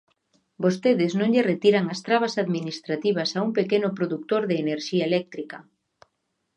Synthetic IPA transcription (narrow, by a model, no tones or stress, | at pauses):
bost̪eðɪznõŋʎɪret̪iɾaŋɐst̪ɾaβ̞ɐsaðminist̪ɾat̪iβ̞ɐsauŋpekenʊpɾoðuk̚t̪oɾðeːneɾʃiaelɛk̚t̪ɾikɐ